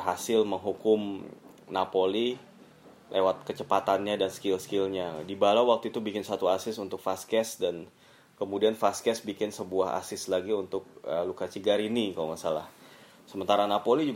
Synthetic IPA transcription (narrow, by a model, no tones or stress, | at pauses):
ɦasɪlməŋɦukʊm | napoli | lʔewat̪̚kət͡ʃəpat̪anɲadanskɪlskɪlɲadibalawak̚t̪uit̪ubikɪnsat̪uasɪsunt̪ʊk̚faskɛsdan | kəmudianfaskɛsbikɪnsəbuaɦa̰sɪslaɡiunt̪ʊk̚əlukat͡ʃiɡaɾinikalomasala̰h | səmənt̪aɾanapolid͡ʒu